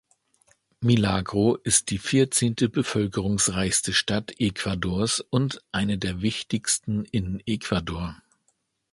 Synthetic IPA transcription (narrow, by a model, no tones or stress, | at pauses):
milaːɡʁoʔɪst̚d̥iːfiɐt͡seːntəbəfœlkəʁ̞ʊŋsʁaɪçstəʃtatʔekv̥adoːɐsʊntʔaɪnədeːɐvɪçtɪçstn̩ʔɪnəekv̥adoːɐ